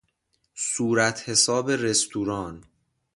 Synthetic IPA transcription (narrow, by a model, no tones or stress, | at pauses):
suːɾæt̪ʰhe̞sɒːbe̞ɾe̞st̪ʰuːɾɒːn